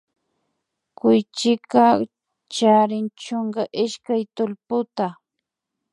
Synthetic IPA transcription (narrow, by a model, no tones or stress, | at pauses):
kʊjt͡ʃɪka | t͡ʃaɾɪnt͡ʃoɴɢaʔɪʃkajt̪ʊlpʊt̪a